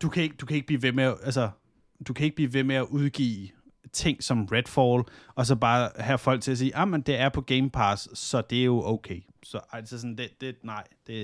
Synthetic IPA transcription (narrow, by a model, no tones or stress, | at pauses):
d̥ukʰæe̝ɡ̥̚d̥ukʰæeɡ̥̚b̥lḭːʋemeæʔælsɐ | d̥ukʰæe̝ɡ̥̚b̥lḭːʋe̝meæʔuð̞ˠɡ̥ḭː | t͡sʰe̝ŋ̰sɒ̽mʁed̥fɒlɒ̽s̬ɒ̽b̥ɑ̈ːɦæfɒ̽l̰ɡ̥̚t͡sʰe̝læs̬iːʔɑmend̥e̝æɐpʰɒ̽ɡ̥eɪmpʰɑssɒ̽d̥e̝æɐjo̝ʔoʊkʰeɪ | sɒ̽ʔælsəs̬ɒnd̥ed̥e̝nɑ̈ɪ̰d̥e̝